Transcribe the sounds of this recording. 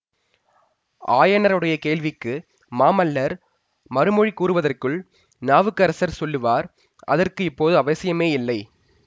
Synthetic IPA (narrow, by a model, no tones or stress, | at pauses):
ʔaːjɐnɐɾɯɽɐjɐkeːɭʋɪkːɯ | maːmɐlːɐɾ | mɐɾɯmɔɻikuːɾɯʋɐðɐrkɯɭ | naːʋɯkːɐɾɐsɐɾsɔlːɯʋaːɾ | ʔɐ̰ðɐrkɯɪpːoːðɯɐʋɐsɪjɐmeːɪlːɐɪ